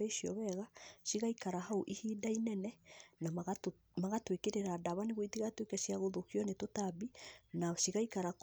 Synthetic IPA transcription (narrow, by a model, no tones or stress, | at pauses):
ɛiʃiɔ̰βɛɣaʃiɣaikaɾaɦaoʔihiːdainɛnɛna | maɣatwekeɾeɾaːdaβaneɣitiɣatwekasjaɣoðokiɔnetotabinaʃiɣaikaɾak